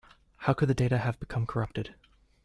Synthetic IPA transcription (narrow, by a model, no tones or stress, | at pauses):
haʊkɨd̪̚ðɨdeɪɾɨɨvbɨkʰʌ̃mkʰə˞ʌp̚tɨd̥